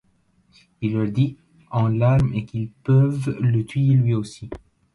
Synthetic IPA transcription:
ilːœʁd̪i | ɑ̃laʁmekilpœvlət̪ɥijelɥiosi

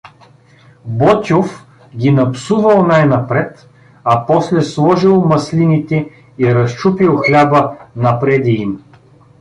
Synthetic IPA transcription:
bɔt̪ʲof | ɡʲinɐpsuvɐlˠnajnɐpɾɛt̪ | ɐpɔslɛslˠɔʒilˠmɐslinit̪ɛ | iɾɐst͡ʃupilˠxlʲabənɐpɾɛd̪iim

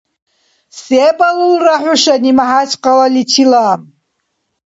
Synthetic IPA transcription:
seːbalulraħʷʊʃanimaħat͡ʃqalalitʰilaːm

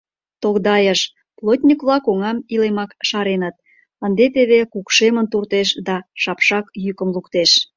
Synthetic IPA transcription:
t̪oɣd̪ɑjəʃ | plˠot̪ʲnʲikβlɑkoŋɑmilemɑkʃɑɾenət̪̚ | ənd̪et̪eβekukʃemənt̪urt̪eʃd̪ɑʃɑpʃɑkjykə̆mlukt̪eʃ

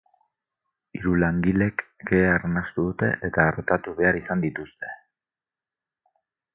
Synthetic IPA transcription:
iɾulaŋɡile̞kɡeːarnast̪uðut̪e̞̰ʔet̪aːɾt̪at̪uβe̞aɾisand̪it̪ust̪e̞̥

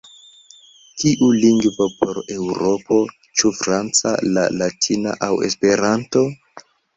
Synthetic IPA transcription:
kʰiʔuliŋɡvopo̞ɾe̞wɾo̞po̞ | t͡ʃufɾant͡sa̰la̰latʰina̰ʔawḛspe̞ɾanto̞

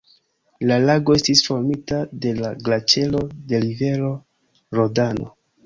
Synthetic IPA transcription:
lalaɡo̞e̞stisfo̞ɾmitade̞laɡlat͡ʃe̞lo̞de̞live̞ɾo̞ | ɾodano̞̰

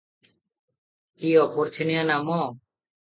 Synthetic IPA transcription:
kiɔpɔɾt͡ʃʰinɛjanamɔ

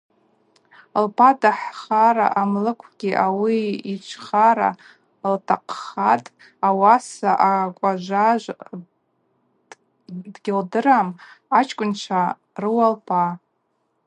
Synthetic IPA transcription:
lpʰadaħχaɾa̰ʔamlɨkʷʰɡ̥ʲiʔawiit͡ʃʷʰχaɾa̰ | ltʰaqʰχatʼ | awasaʔakʷʼaʒʷaʒʷ | dɡʲɪldɨɾamat͡ʃʰʼkʷʼʊnt͡ʃʷʰa | rɨwalpʰa

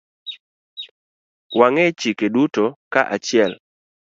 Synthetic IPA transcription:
waŋɛt͡ʃikedutokaʔat͡ʃɪɛl

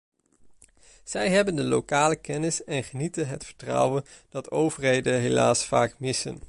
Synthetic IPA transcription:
z̥ɛjɦɛbəndəlokaːləkɛnɪsɛnχənitənɦətfəɹtrʌ̰wənd̥ɑtʰowvəɹɦejdənɦela̰ːsfaːkmɪsə̰n

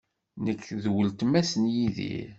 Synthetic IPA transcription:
nəkʰːðwəlt̪mæsənjiðḭ

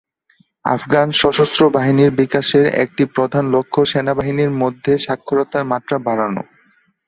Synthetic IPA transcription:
a̰fɡanʃɔʃost̪ɾobaɦiniɾbikaʃeɾḛk̚ʈipɾod̪ʱanlokʰːoʃenabaɦiniɾmod̪ʱːeʃakʰːoɾɔt̪aɾmat̪ːɾabaɾano̰

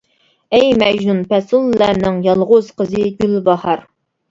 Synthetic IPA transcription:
ɛjmɛʒnunpʰɛsulˠːæɾnɪŋjɑlˠʁʊz̥qəzɨɡʲylbɑhɑɾ

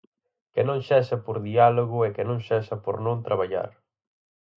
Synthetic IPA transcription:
kɪnõŋʃɛʃɐpoɾðialoɣʊɛkɪnõŋʃɛʃɐpo̰ɾnõŋt̪ɾaβaʎa̰ɾ

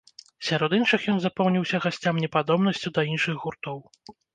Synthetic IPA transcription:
sʲaɾɔd̪inʂɨxjɔnzapɔwnʲiwsʲɐɣasʲt͡sʲamnʲɛpad̪ɔbnɐsʲt͡sʲud̪ɐinʂɨɣɣurt̪ɔw

